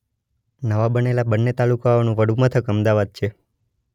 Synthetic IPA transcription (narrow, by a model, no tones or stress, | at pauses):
nəʋabənelabənːet̪alukaonũʋəɽumət̪ʰəkəmd̪aʋad̪̚t͡ʃʰe